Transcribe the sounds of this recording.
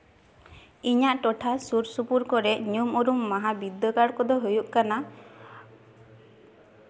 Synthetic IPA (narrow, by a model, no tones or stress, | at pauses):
iɲaʔʈɔʈʰasuɾsupuɾkɔɾɛɲumɔɾumːaɦabid̪əkaɽkɔd̪ɔɦujuʔkana